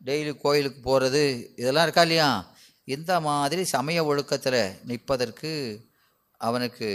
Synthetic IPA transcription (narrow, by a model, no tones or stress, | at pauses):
ɖɛjlikːoːjɪlɯkːɯpoːɾɐðɯɪðɛlːãːɪɾɯkːaːɪlːɐjaː | ɪnd̪ɐmaːðɪɾisɐmɐjɐʋɔɻɯkːɐt̪ːɪlɐnɪpːɐðɐrkɯ | ʔɐʋɐnɯkːɯ